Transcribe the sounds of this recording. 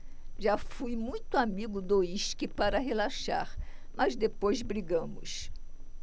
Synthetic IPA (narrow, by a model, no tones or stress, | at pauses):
ʒafujmũj̃t̪ʊamiɡʊd̪oiʃkɪpaɾɐɦelaʃa̰ɾmɐzd̪epojzbɾiɡɐ̃mʊs